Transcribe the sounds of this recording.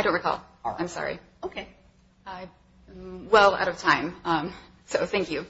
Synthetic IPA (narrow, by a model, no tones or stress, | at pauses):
aɪɾõnɹikʰɔ̰lˠ | ãɪ̃msɑ̰ɹḭ | oʊkʰeɪ | aɪ | wɛlˠa̰ʊɾʌv̥tʰãɪ̃mʌ̃m | soʊθæ̃ŋkjʉ